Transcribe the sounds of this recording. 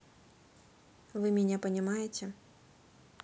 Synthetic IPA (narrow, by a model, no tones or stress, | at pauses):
vɨmʲɛnʲɛpɐnʲamajet͡sʲɛ